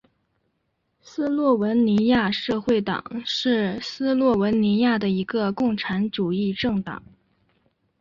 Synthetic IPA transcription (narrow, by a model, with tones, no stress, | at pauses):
sɹ̩˥lwɔ˥˩wə˧˥nni˧˥ja˥˧ʂɤ˥˧xwe˥˩ɪt̪ɑ̰˨˩˦ŋʂɻ̩˥˩sɹ̩˥lwɔ˥˩wə˧˥nni˧˥ja˥˩d̪ə˩i˧˥ɡə˧kʊ˥˩ŋʈ͡ʂʰa˧˥nʈ͡ʂu˨˩i˥˧ʈ͡ʂɤ˥˩ŋt̪ɑ̰˨˩˦ŋ